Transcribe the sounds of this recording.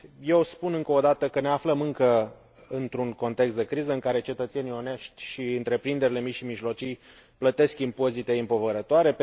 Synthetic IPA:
je̞wspunɨŋkəod̪at̪əkəne̞afləmɨŋkə | ɨnt̪ɾuŋko̞nt̪ekst̪d̪e̞kɾizəɨŋkaɾe̞t͡ʃe̞t̪ət̪se̞nijo̞neʃt̪ʲʃiɨnt̪ɾe̞pɾind̪e̞ɾile̞miʃimiʒlo̞t͡ʃij | plət̪e̞skimpo̞zit̪e̞impo̞vəɾət̪oaɾe̞

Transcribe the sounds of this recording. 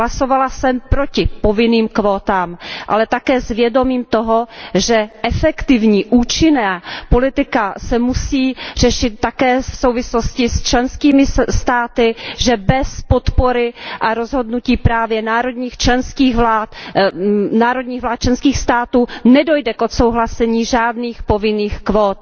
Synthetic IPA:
laso̞valasɛmpɾocɪpo̞vɪniːmkvoːt̪aːmʔalɛt̪akɛːzvjɛdo̞miːmt̪oɦo̞ʒɛʔɛfɛkt̪ɪvɲiːʔuːt͡ʃɪnaːpo̞lɪt̪ɪkasɛmusiːr̝ɛʃɪt̪̚ːakɛːfso̞wvɪsloscɪst͡ʃlɛnskiːmɪst̪aːt̪ɪʒɛbɛspot̪po̞ɾɪʔaɾo̞zɦo̞dnuciːpɾaːvjɛnaːɾo̞dɲiːxt͡ʃlɛnskiːɣvlaːt̪ | naːɾo̞dɲiːɣvlaːt̪̚t͡ʃlɛnskiːxst̪aːt̪uːnɛdo̞jdɛkʔot̪sowɦlasɛɲiːʒaːdniːxpovɪniːxkvoːt̪̚

